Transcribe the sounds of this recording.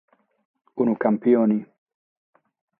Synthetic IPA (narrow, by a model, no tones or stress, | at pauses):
unukampiɔni